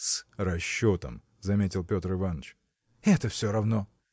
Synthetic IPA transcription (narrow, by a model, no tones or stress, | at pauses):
srɐɕːot̪ə̰m | zɐmʲetʲɪlˠpʲo̞t̪rɨvanət͡ɕ | ɛt̪əfsʲoɾɐvno